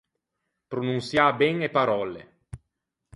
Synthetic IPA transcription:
pɾonunsjabɛŋepaɾɔlḛ

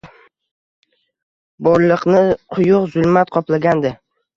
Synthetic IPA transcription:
bɒɾlˠɨqnɪqʰʊjʊqzʊlˠmat̪qʰɒplaɡʲand̪ɪ

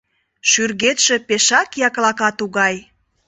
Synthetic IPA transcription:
ʃyrɣet̪ʃe̽peʃɑkjɑklɑkɑt̪uɣɑj

